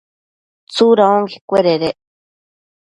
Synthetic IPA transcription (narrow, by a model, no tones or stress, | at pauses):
t͡suɾaoŋɡi̥kʷeɾeɾeʔ